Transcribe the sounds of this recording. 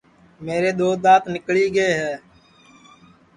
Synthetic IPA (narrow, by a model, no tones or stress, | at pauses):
meːɾeːɗ̪oːd̪aːt̪nɪkɭiːɡeːɦɛː